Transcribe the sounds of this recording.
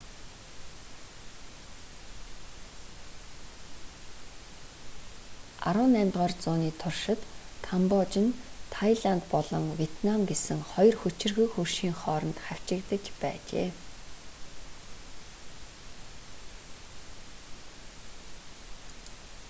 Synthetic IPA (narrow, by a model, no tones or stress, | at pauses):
a̰ɾʊːnæmʲt̪ʁaːrt͡sʊːniːt̪ʰʊrʃɪ̆t̪ːʰampɔt͡ɕɪ̆nt̪ʰajɮant̪pɔɮɞ̆ŋwʲiet̪namɡesɘ̆ŋχɔjɞ̆rxɵt͡ɕɪ̆rɣɵ̆kxurʃiːŋχɔːɾə̆nt̪χæw̥t͡ɕɪ̆kt̪ə̆t͡ɕpæ̰ːt͡ɕḛː